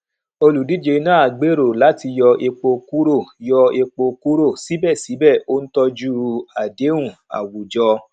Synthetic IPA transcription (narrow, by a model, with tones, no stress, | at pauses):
o˧lu˨di˨˦d͡ʒe˧˦nã˦a˨ɡ͡be˦ɾo˦˨la˨˦ti˧jɔ˧ʔe˧k͡po˧ku˦ɾo˦˨jɔ˧e˧k͡po˧ku˦ɾo˦˨si˨˦bɛ˦˨si˨˦bɛ˦˨o˦n̩˦tɔ˧d͡ʒu˦˧a˨de˨˦ɾ̃ũ˦˨a̰˨wu˨d͡ʒɔ˧